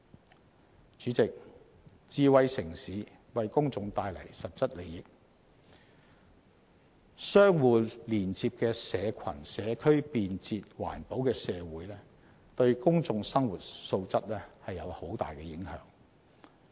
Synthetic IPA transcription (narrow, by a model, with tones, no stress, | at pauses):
t͡ʃyː˨˥t͡sɪ˨k̚ | t͡siː˨˧wɐ˨jsɪ˨˩ŋsiː˨˥ | wɐ˨jkʊ˥ŋt͡sʊ˧ŋt̪aː˧jlɐ̰˨˩jsɐ˨t̚t͡sɐ˥t̚le˨jɪ˨k̚ | sœː˥ŋwuː˨liː˨˩nt͡siː˧p̚kɛː˧sɛː˨˧kʷʰɐ̰˨˩nsɛː˨˧kʰɵ˥ɥpiː˨nt͡siː˧t̚wa̰ː˨˩npo˨˥wkɛː˧sɛː˨˧wuː˨˥jlɛː˥ | t̪ɵ˧ɥkʊ˥ŋt͡sʊ˧ŋsɐ˥ŋwuː˨˩t̚so˧wt͡sɐ˥t̚lɛː˥hɐ˨jːɐ˨˧who˨˥wt̪a̰ː˨jkɛ˧jɪ˨˥ŋhœ̰ː˨˥ŋ